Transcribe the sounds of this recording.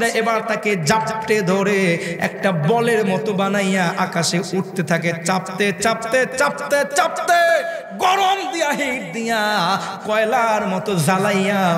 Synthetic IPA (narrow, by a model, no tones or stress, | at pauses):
ɾaʔebaɾt̪aked͡ʑapʈed̪ʱoɾeɛ̰kʈabɔleɾmɔt̪obanajaʔakaʃeuʈ̚t̪et̪ʰaket͡ɕap̚t̪et͡ɕap̚t̪et͡ɕap̚t̪et͡ɕap̚t̪e | ɡɔɾomd̪ijaɦiʈ̚d̪ija | kɔelaɾmɔt̪ozʱalaja